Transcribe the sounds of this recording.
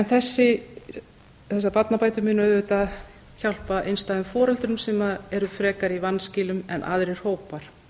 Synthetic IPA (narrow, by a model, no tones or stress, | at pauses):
ɛnθɛsːɪ | θɛsːapat̪napaːjt̪ʏmɪnœðʏt̪a | çawl̥paʔejnst̪aːðʏmfɔːɾɛlt̪ɾʏmsɛːmaɛɾʏfɾɛːkaɾivanːscɪːlʏmɛ̰nʔa̰ːðɾɪɾ̥hoːwpaɾ̥